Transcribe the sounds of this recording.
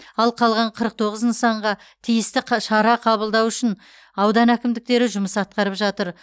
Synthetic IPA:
ɑlˠqʰɑlˠʁɑɴqʰəɾəq̚t̪ʰo̞ʁəznsɑɴʁɑ | t̪ʰijɪst̪ɪʃɑɾɑqʰɑβəlˠd̪ɑwʏʃɪn | ɑwd̪ɑnækʲɪmd̪ɪk̚t̪e̞ɾɪʒʊməsɑt̪̚qɑɾəpʒɑt̪əɾ

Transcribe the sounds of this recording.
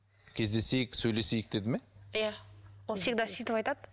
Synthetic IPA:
kʲʰe̞zd̪e̞se̞jɪksɵjle̞sejɪk̚d̪̥e̞d̪ɪme̞jawolˠsek̚d̪ɑsit̪əpɑjt̪ɑd̪ə

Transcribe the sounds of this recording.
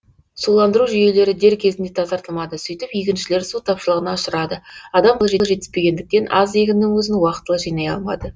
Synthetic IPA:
sulˠɑnd̪əɾuʒʏje̞le̞ɾɪd̪e̞ɾkʲʰe̞zɪnd̪e̞t̪ʰɑzɑɾt̪əlˠmɑd̪əsʏjt̪ɪpijkʲɪnʃɪle̞ɾsut̪ʰɑpʃəlˠəʁənɑʊʃəɾɑd̪əɑd̪ɑmb̪ˠʒe̞ʒe̞t̪ɪspe̞ɡʲe̞nd̪ɪk̚t̪e̞nʔɑ̰zeɡʲɪnːɪŋwɵzɪnwɑqət̪ːəlˠəʒijnɑjɑ̰lˠmɑ̰d̪ə

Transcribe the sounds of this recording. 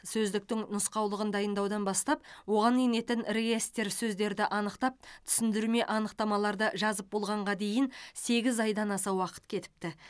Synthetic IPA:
sɵzd̪ɪk̚t̪ɪŋnʊsqɑwlˠəʁənd̪ɑjənd̪ɑwd̪ɑnbɑst̪ɑp̚wo̞ʁɑnine̞t̪ɪnreɡʲe̞st̪e̞ɾsɵzd̪e̞ɾd̪ɪʔɑnəqt̪ɑp̚t̪ʰʏ̥sɪnd̪ɪɾme̞ʔɑnəqt̪ɑmɑlˠɑɾd̪əʒɑzəp̚bo̞lˠʁɑɴʁɑd̪e̞jɪnse̞ɡʲɪzɑjd̪ɑnɑsɑwɑqə̥t̪kʲʰe̞t̪ɪ̥p̚t̪ɪ

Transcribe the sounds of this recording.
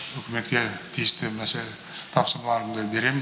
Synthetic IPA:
ɵkʲɪme̞t̪̚kʲet̪ʰijɪst̪ɪnæse | t̪ʰɑpsəɾmɑlˠɑɾəmd̪ɑbe̞ɾe̞mɪ

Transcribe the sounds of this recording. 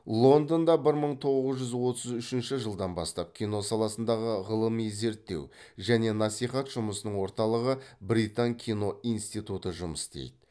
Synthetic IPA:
lˠo̞nd̪ond̪ɑbɪɾməɴt̪ʰo̞ʁəzʒʏzwo̞t̪əzʏʃɪnʃɪʒəlˠd̪ɑnbɑst̪ɑp̚kʲʰijno̞sɑlˠɑsənd̪ɑʁəʁəlˠəmijze̞ɾt̪ːe̞̰wʒæne̞nɑsijχɑt̪ʒ̥ʊməsənəɴwo̞ɾt̪ɑlˠəʁəbɾit̪aŋkʲʰijno̞ijnst̪ijt̪ut̪əʒʊməst̪ḛjd̪ɪ

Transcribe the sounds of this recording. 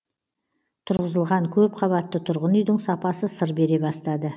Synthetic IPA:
t̪ʰʊɾʁəzəlˠʁɑŋkʲʰɵpqʰɑβɑt̪ːət̪ʰʊɾʁənʏjd̪ɪŋsɑpɑsəsəɾbe̞ɾe̞bɑst̪ɑd̪ə

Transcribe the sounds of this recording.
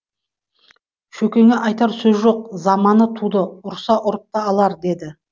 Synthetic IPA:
ʃɵkʲe̞ŋeʔɑjt̪ɑɾsɵzʒo̞q̚zɑmɑnət̪ʰud̪əʊɾsɑʔʊɾəp̚t̪ɑɑlˠɑɾd̪e̞d̪ɪ

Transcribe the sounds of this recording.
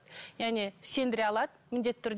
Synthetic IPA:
jæʁne̞se̞nd̪ɪɾeɑlˠɑd̪əmɪnd̪e̞t̪ːt̪ːʰʏɾd̪

